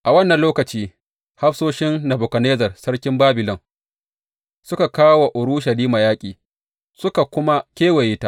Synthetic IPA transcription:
ʔa˨wɐ˦nːɐ˨nloː˦kɐ˨t͡ʃiː˦ | ha˦ɸsoː˦ʃɪ˦nːɐ˨bʊ˨kɐ˨neː˦zɐ˨rsɐ˦ɽkʲɪ˦mbaː˦bɪ˨lɔ˦ŋ | sʊ˦ka˨kaː˦wa˨ʔʊ˨ɾu˦ʃɐ˨liː˦ma˨jaː˦kʲʼiː˨ | sʊ˦ka˨kʷʊ˦ma˦kʲeː˦wa˨jiː˦ta˦ʔ

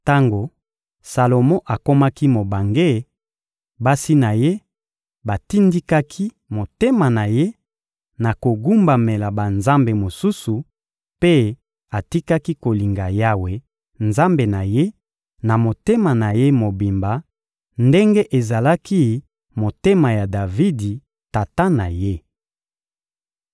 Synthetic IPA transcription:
ta˦ŋɡo˨ | sa˨lo˨mɔ̃˦ʔa˨ko˦ma˦ki˦mo˨ba˨ŋɡe˦˨ | ba˦si˦na˨je˦ | ba˨ti˦ndi˦ka˦kʰi˦ | mo˨te˦ma˨na˨je˦ | na˨ko˨ɡu˦mba˨me˨la˨ba˨nza˦mbe˨mo˨su˦su˨ | pe˦ | a˨ti˦ka˦ki˦ko˨li˨ŋɡa˨ja˦we˨ | nza˦mbe˨na˨je˦ | na˨mo˨te˦ma˨na˨je˦mo˨bi˨mba˨ | nde˦ŋɡe˦ʔe˨za˨la˦ki˦ | mo˨te˦ma˨ja˨da˨vi˦di˨ | ta˨ta˦na˨je˦

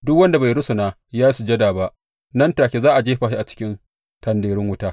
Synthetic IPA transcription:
dʊ˦kwɐ˦nda˨ba˨jɾʊ˦sʊ˨naː˦ | jaː˦ji˦su˨d͡ʒɐ˦daː˨ba˦ʔ | nɐ˦ntaː˨kʲe˨zaː˦ʔa˨d͡ʒeː˦ɸaː˨ʃi˦ʔa˨t͡ʃɪ̥˦kʲɪ˦n | tɐ˨ndeː˨ɽɪ˦ŋwʊ˦taː˦

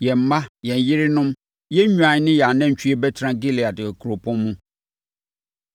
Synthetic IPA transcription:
jɛ̃˨m̩˨mã˦jɛ̃˨n˨jɪ˦ɾɪ˦nʊ̃˦m | jɛ˦ɲᶣũ˦ã˨ɲ˦nɪ̃˦jɛ˨a˨nɛ̃˦ɲ̩˨t͡ɕʰᶣi˦ɛ˦bɛ˦tʰɾã˦ɡe˦li˨a˨dɪ˨kʰu˨ɾo˨pʰɔ̃˦mː˦ũ˦

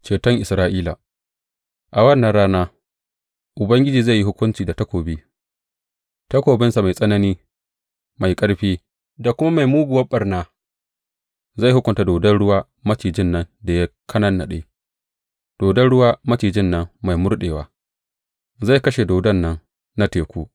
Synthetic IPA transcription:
t͡ʃeː˨tɔ˦ŋʔɪ˨sɾaː˦ʔiː˦la̰ː˨ | ʔa˨wɐ˦˨nːa˨ɽaː˦naː˦ | ʔʊ˨bɐ˦ŋɡʲɪ˦d͡ʒiː˨za˦˨ji˦hʊ˦kʷʊ˦nt͡ʃiː˨da˨tɐ˦kʷoː˨biː˦ | tɐ˦kʷoː˨bɪ˦nsa˨ma˨jsʼɐ˦nɐ˦niː˦ | ma˨jkʼɐ˦ɽɸiː˦ | da˨kʷʊ˦ma˦ma˨jmuː˦ɡʊ˨wɐ˦ɓɐ˨rnaː˦ | za˦˨hʊ˦kʷʊ˨nta˨doː˨dɐ˦nɽʊ˦waː˦ | mɐ˦t͡ʃiː˨d͡ʒɪ˦˨nːɐ˦nda˨ja˦kʰɐ˦nɐ˦nːa̰˨ɗa˦j | d̥oː˨dɐ˦nɽʊ˦waː˦mɐ˦t͡ʃiː˨d͡ʒɪ˦nːɐ˦ŋma˨jmʊ˦ɽɗeː˨waː˦ | za˦˨jkɐ˦ʃe˨doː˨dɐ˦˨nːɐ˦ŋ | na˦teː˨kʷoː˦

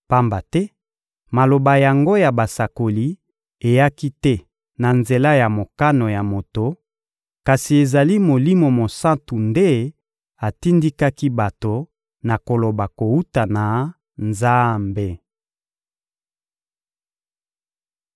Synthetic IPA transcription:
pa˦mba˨tɛ˦ | ma˨lo˨ba˨ja˨ŋɡo˦ja˨ba˨sa˨ko˨li˦ | e˨ja˦ki˦tɛ˦ | na˨nze˨la˦ja˨mo˨ka˦no˨ja˨mo˨to˨ | ka˨si˨e˨za˨li˦mo˨li˦mo˨mo˨sã˦ntu˨nde˦ | a˨ti˦ndi˦ka˦ki˦ba˨to˨ | na˨ko˨lo˨ba˨ko˨u˦ta˨na˨ | nza˦mbe˨

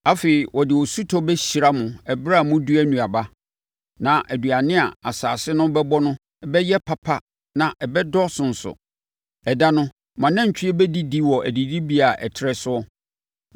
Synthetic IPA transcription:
a˦fe˨i˨wɔ˨dɪ˨wɔ˨su˦tʰɔ˦bɛ˦ɕi˨ɾa˦mʊ̃˨ɛ˨bɾa˦˨mʊ̃˦du˦æ˦nũ˨a˨ba˦ | nã˨ʔæ˨du˨a˨nɪ̃˦a˨a˨saː˨sɪ˦nʊ̃˦bɛ˦bɔ˦nʊ̃˦ | ɛ˨bɛ˦jɛ˦pʰa˨pʰa˦ | nã˨ʔɛ˨bɛ˦dɔ˦sʊ̃˨n̩˨sʊ̰˨ | ɛ˨da˦nʊ̃˦ | mã˨nã˦ɲ̩˨t͡ɕʰᶣɪ˦ɛ˦bɛ˦di˦di˦wɔ˨æ˨di˨di˦bi˦a˨ʔɛ̰˨tʰɪ˨˦ɾɛ˦sʊ˦ɔ˦

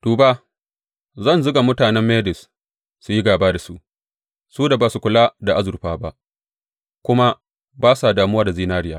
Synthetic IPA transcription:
d̥uː˨ba˦ | zɐ˦˨nzʊ˦ɡa˨mʊ˦taː˨nɛ˦mːeː˦dɪ˨sː | u˨ji˦ɡaː˨baː˦da˨su˦ʔ | suː˦da˨baː˨su˨kʷʊ˨la˦da˨ʔa˦zʊ˨ɸaː˦ba˦ʔ | kʷʊ˦ma˦ | baː˦sa˨daː˨mʊ˦wa˦˨da˨ziː˦naː˦ɾɪ˦jaː˦˨

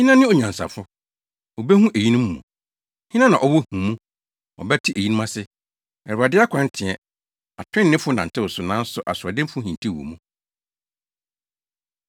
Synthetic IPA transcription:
hĩ˦nã˦nɪ̃˦ɔ˨ɲ˨ã˨n˨sa̰˨fʊ˦ | o˨be˦hũ˦ʔe˨ji˦nũ˦mː˦ṵ̃˨ | hɪ̃˦ã˦nã̰˨ʔɔ˦wɔ˦hũ˨mũ˦ | ɔ̰˨bɛ˦tʰi˦ʔe˨ji˦nũ˦mã˦sɪ˦ | ɛ˨a˨dɪ˦a˦kʷʰã˦n˦tʰɪ̃˨ɛ˨ | a̰˨tʰᶣɪ̃˦nː˨ɪ̃˦fʊ˦nã˨n̩˨tʰɪ˦wʊ˨sʊ˨nã˦n̩˦sʊ˨ʔa˨sʊ˨a˨dɪ̃˦m˦fʊ˦hĩ˨n˨tʰi˦˨wo̰˨mũ˦

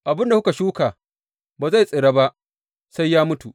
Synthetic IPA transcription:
ʔa˨bɪ˦nda˨hʊ˦ka˨ʃuː˦kaː˨ | baː˨za˦˨jsʼe˨ɽaː˦ba˦ʔ | sa˦jːaː˦mʊ˦tu˨ʔ

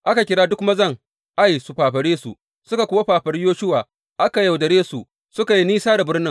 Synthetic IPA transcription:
ʔa˦ka˨kʲɪ˨ɽaː˦dʊ˦kmɐ˦zɐ˦˨ŋ | ʔa˦jsu˨ɸaː˨ɸɐ˨ɽeː˦sṵ˨ | sʊ˦ka˨kʷʊ˦wa˦ɸaː˨ɸɐ˨ɽɪ˦joː˦ʃʊ˦waː˨ | ʔa˦ka˨ja˨wdɐ˨ɽeː˦su˨ | sʊ˦ka˨ji˦niː˦saː˦da˨bɪ˦rnɪ˦ŋ

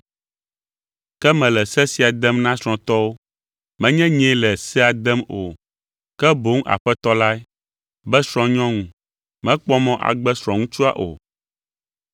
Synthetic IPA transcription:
kɛ˦mɛ̃˨lɛ˨sɛ˦si˨˦a˨d̪ɛ˦mnã˦sɾ̃ɔ̃˨t̪ɔ˦wo˦ | mɛ̃˨˦ɲɛ̃˦ɲɛ̃˨˦lɛ˨sɛ˦a˨d̪ɛ˦mo˨ | kɛ˦bo˦ŋ˦ʔa̰˨ɸɛ˦t̪ɔ˦la˦ɛ˦ | bɛ˦sɾ̃ɔ̃˨ɲɔ̃˦ŋũ˨ | mɛ̃˦k͡pɔ˦mɔ̃˦ʔa̰˨ɡ͡bɛ˦sɾ̃ɔ̃˨ŋũ˦t͡ʃu˦a̰˦ʔo̰˨

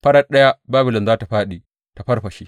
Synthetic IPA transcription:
ɸɐ˦ɽɐ˦ɗɐ˦ja˦baː˦bɪ˨lɪ˨nzaː˦ta˨ɸaː˦ɗi˨ | ta˨ɸɐ˦rɸɐ˨ʃi˦

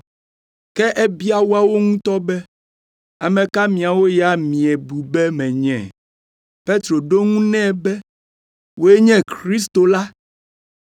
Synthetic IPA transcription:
kɛ˦ʔɛ˦bi˦a˨wo˦a˦wo˦ŋũ˦t̪ɔ˦bɛ˦ | a˨mɛ̃˨ka˦mĩ˨a˨wo˦ja˦mĩ˨ɛ˨bu˨bɛ˦mɛ̃˨ɲɛ̰̃˨ | pe˦t̪ɾo˨ɖo˦ŋũ˦nɛ̃˦˨bɛ˦ | wo˦e˦ɲɛ̃˦kɾi˦s̬t̪o˨la˦

